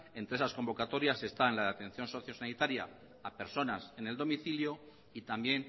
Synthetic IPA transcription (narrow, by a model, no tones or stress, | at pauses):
e̞nt̪ɾe̞sasko̞mbo̞kat̪o̞ɾjase̞st̪aenlaðeat̪e̞n̟θjo̞nso̞θjo̞sanit̪aɾja̰ː | pe̞ɾso̞nasene̞ld̪o̞miθiljo̞ | it̪ambje̞n